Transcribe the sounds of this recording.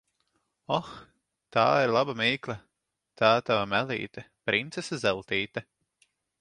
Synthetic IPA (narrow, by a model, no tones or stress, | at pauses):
ɔx | t̪aːiɾlˠabamiːklʲˠa | t̪ʰaːt̪avamælʲḭːt̪ɛ | pɾint̪sesazɛlˠt̪iːt̪ɛ